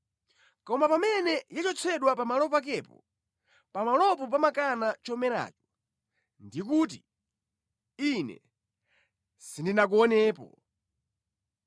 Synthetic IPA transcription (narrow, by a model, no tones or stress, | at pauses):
kɔmapamɛnɛjat͡ʃɔt͡sʰɛɗwapamalɔpak̬ɛpɔ̰ | pamalɔp̬ɔp̬amakanat͡ʃɔmɛɾa̰ːt͡ʃɔ̥ | ndikuːt̬i | inɛ̰ | sindinak̬uɔnɛːpɔ̰